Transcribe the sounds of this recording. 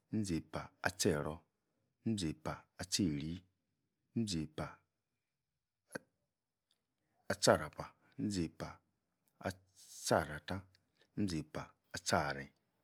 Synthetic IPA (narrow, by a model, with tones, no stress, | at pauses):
n̩˦d͡ze˨pa˨a̰˨t͡ʃɛ˦˨ɾɔ˨˦ | n̩˦d͡ze˨pa˨a˨t͡ʃe˦˨ɾi˦ | m̩˦d͡ze˨pa˨ | a˨t͡ʃa˦˨ɾa˨pa˨˦n̩˦d͡ze˨pa˨ | a̰˨ | t͡ʃa˦˨ɾa˨ta˦ | n̩˦d͡ze˨pa˨ | a˨t͡ʃa˦˨ɾi˨